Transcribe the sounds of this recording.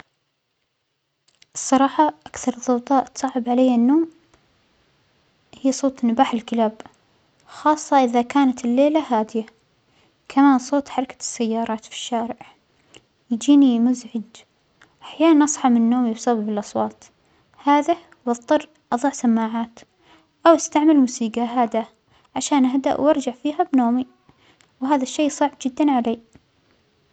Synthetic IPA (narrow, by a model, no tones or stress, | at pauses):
ʔɨsˤːɑɾˤɑːħɑʔakθɑɾˤðˤɑwt̪ˤɑːʔt̪sˤɑːʕɪbʕalajːanːoːm | hɪjːsˤoːt̪ˤnabaːħɪlkɪlaːb | xɑːsˤːɑʔɪðakaːnat̪ɪlːeːlahaːd̪ɪja | kʰamaːnsˤoːt̪ˤħɑɾˤɑkḁsːajːɑːɾˤɑːt̪fi̥ʃːaːɾɪʕʕ | jd͡ʒiːnimʊzʕɪd͡ʒ | ʔaħjaːnanʔɑsˤħɑmɪnːoːmibsˤabɪbɪlʔɑsˤwɑːt̪ | haːða | wɑˤt̪ˤːɑr | ʔɑðˤɑʕsamːaːʕaːt̪ | ʔawʔast̪aʕmalmʊːsiːɡaɦaːd̪a | ʕaʃaːnʔaɦad̪a̰ʔwʔɑɾˤd͡ʒaʕfiːɦabnoːmi | wɦaːðaʃːeːsˤɑʕb̚d͡ʒɪd̪ːanʕalaː